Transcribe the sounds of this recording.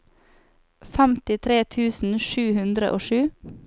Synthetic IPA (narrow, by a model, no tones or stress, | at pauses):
fæmt̪ɪt̪ʰɾeːt̪ʰʉːsn̩ʃʉːhʉnd̪ɾə̰ʔoːʃʉː